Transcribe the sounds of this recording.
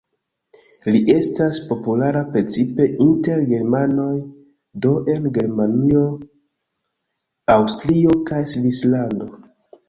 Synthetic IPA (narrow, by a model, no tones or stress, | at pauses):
liʔe̞staspo̞pulaɾapɾe̞t͡sipe̞ʔinte̞ɾɡe̞ɾmano̞j | do̞ʔe̞nɡe̞ɾmanio̞ | awstɾio̞kajsvislando̞